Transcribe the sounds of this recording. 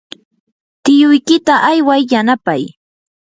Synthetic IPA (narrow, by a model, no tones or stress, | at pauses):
t̪ɪjʊjkɪt̪aʔajwajːanapaj